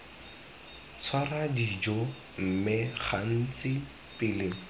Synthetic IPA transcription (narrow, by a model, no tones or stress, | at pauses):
t͡sʰwaradid͡ʒɔ | m̩mɪχan̩t͡sɪ | pɪlɪŋ̩